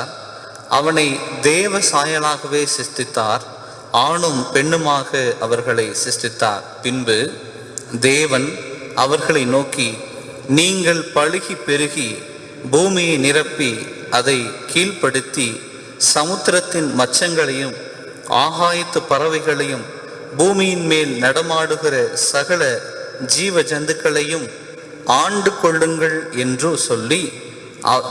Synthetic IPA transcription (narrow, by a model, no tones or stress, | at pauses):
ʔɐʋɐnɐɪd̪eːʋɐsaːjɐlaːɣɐʋeːsɪst̪ɪt̪ːaːɾ | aːɳɯmpɛɳːɯmaːɣɐʔɐʋɐɾɣɐɭɐɪsɪst̪ɪt̪ːa̰ːɾpɪnbɯ | d̪eːʋɐn | ɐʋɐɾɣɐɭɐɪnoːki | niːŋɡɐɭpɐɭɪɣipɛɾɯɣi | buːmɪjɐɪnɪɾɐpːi | ʔɐðɐɪkiːɭpɐɽɯt̪ːi | sɐmʊt̪ːɾɐt̪ːɪnmɐt͡ʃːɐŋɡɐɭɐjɯm | ʔa̰ːɣaːjɪt̪ːɯpːɐɾɐʋɐɪɣɐɭɐjɯm | buːmɪjɪnmeːlnɐɽɐmaːɽɯɣɪrɐsɐɣɐɭɐd͡ʒiːʋɐd͡ʒɐnd̪ɯkːɐɭɐjɯm | aːɳɖɯkːɔɭːɯŋɡɐɭɛndrɯsɔlːi